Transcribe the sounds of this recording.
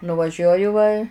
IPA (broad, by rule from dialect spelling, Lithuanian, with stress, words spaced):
nʊʋɐˈʒʲuɔjʊ ʋɐ